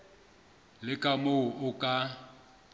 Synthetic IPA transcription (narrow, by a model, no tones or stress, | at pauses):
lɪkʼamoʊʔʊkʼa